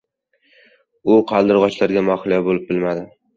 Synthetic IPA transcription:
ʊqʰɑlˠd̪ɪɾʁɒt͡ʃlaɾɡʲamɒχɪlˠjabolɪp̚bɪlmad̪ɪ

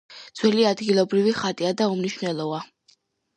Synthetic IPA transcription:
d̪z̥wɛliad̪ɡilˠɔbɾiviχat̪ʼiad̪aumniʃnɛlˠɔva

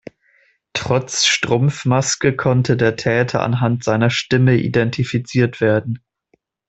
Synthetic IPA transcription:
tʁ̥ɔt͡sʃtʁ̥ʊmfmaskəkʰɔntʰədeːɐtʰɛːtʰɐ̰ʔa̰nɦantz̥aɪnɐʃtɪməʔḭdɛntʰifit͡siːɐtv̥eːɐdn̩

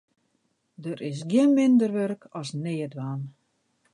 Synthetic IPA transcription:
dərʔɪs̬ɡjənmɪndərʋørkʰɔsneːədʋaːn

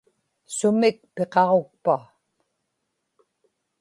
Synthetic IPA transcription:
sʊmɪk̚pe̞qɑʁo̞k̚pa

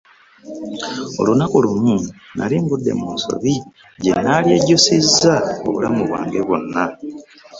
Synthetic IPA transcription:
o̞̰lunakolumunaliŋɡudːe̞̰munso̞̰βi | ɟe̞naljeːɟosizːao̰βulamuβwa̰ːŋɡe̞βonːa

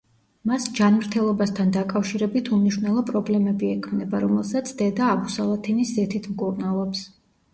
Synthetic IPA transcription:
masd͡ʒanmɾt̪ʰɛlˠɔbast̪ʰand̪akʼafʃiɾɛbit̪ʰumniʃwnɛlˠɔpʼɾɔblɛmɛbiɛkʰmnɛbaɾɔmɛlˠsat̪sʰd̪̥ɛd̪aːbusalˠat̪ʰiniszɛt̪ʰit̪ʰmkʼuɾnalˠɔps

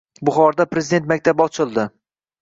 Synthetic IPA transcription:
bʊχɒɾd̪apɾezid̪e̞nt̪mak̚ʲt̪ʰabɒt͡ʃʰɪlˠd̪ɪ

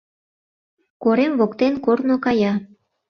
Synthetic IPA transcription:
koɾemβokt̪enkornokɑjɑ

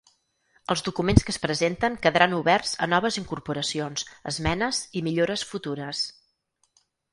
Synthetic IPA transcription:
əlˠzðukumenskəspɾəzent̪əŋkəðəɾʔanuβɛrzə̰nɔβ̞əziŋkuɾpuɾəsionz̥ə̰zmɛnəzimiʎoɾəsfut̪uɾəs

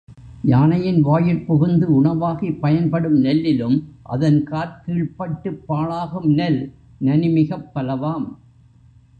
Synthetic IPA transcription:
ɲaːnɐjɪnʋaːjɪlpɔɣɯnd̪ɯʊɳɐʋaːɣipɐjɐnpɐɽɯmnɛlːɪlɯmʔɐ̰ðɐnkaːɾkiːɭpɐʈːɯpːaːɭaːɣɯmnɐl | nɐnɪmɪɣɐpːɐlɐʋaːm

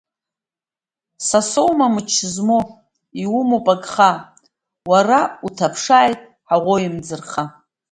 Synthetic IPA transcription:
sasowmamɨt͡ʃʰzmo | iwʊmopʼaɡʼχa | warautʰapʰʂaːjtʼ | ħaʁʷoimd͡zɨrχa

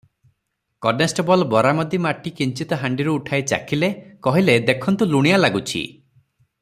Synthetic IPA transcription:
kɔnesʈɔbɔlbɔɾamɔd̪imaʈikint͡ʃit̪ɔɦaɳɖiɾuːʈʰajt͡ʃa̰kʰilekɔɦiled̪ekʰɔnt̪uluɽ̃ijalaɡut͡ʃʰḭ

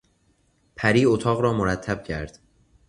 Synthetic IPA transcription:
pʰæɾiːot̪ʰɒːɣɾɒːmoɾæt̪ʰːæb̥̚cʰæɾd̪̥

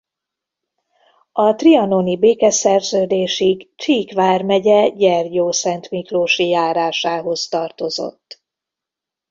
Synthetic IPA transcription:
ɒt̪riɒnonibeːkɛsɛrzøːd̪eːʃiɡt͡ʃiːkʋaːrmɛɟɛɟɛrjoːsɛnt̪mikloːʃijaːɾaːʃaːɦo̞st̪ɒrt̪o̞zo̞̰t̪ː

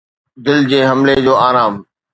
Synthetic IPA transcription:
d̪ɪld͡ʑeːɦɐmled͡ʑoːaːɾaːm

